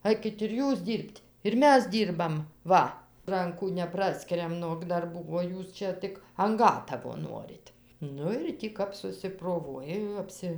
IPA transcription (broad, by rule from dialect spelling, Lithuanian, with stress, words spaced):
ˈɐɪkʲɪt ɪr ˈjuːs ˈdʲiːrʲpʲtʲ ɪr ˈmʲɛs ˈdʲiːrbɐm ˈʋɐ ˈrɐŋkuː nʲɛˈprɑːsʲkʲɪrʲɛm noːk dɐrˈbuː oː ˈjuːs t͡ʃʲɛ ˈtʲɪk ɐn ˈɡɑːtɐʋoː ˈnoːrʲɪt ˈnʊ ɪr ˈtʲiː kɐp sʊsʲɪproːˈʋuɔjɛ jɛʊ ˈɑːpʲsʲɪ